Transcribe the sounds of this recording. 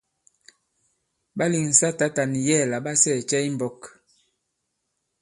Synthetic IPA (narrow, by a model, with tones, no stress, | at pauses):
ba˦li˨ŋn̩˨sa˦ta˦ta˨ni˨jɛ˦˨la˨ba˦sɛ˦˨t͡ʃɛ˦i˦m˨bɔ˨k